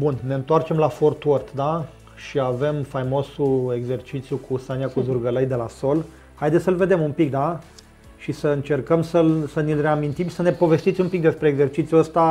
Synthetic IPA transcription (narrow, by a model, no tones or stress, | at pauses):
bunne̞ɨnt̪oart͡ʃe̞mlafort̪wort̪d̪a | ʃiave̞mfajmo̞sue̞ɡze̞rt͡ʃit̪sjukʰusanijakuzurɡələjd̪e̞laso̞l | hajd̪esʲsəlve̞d̪e̞mumpik̚d̪a | ʃisəɨnt͡ʃe̞rkəmsəlsənilreamint̪imsəne̞po̞ve̞st̪it̪sʲumpik̚d̪e̞spɾeːɡze̞rt͡ʃit̪sijuəst̪a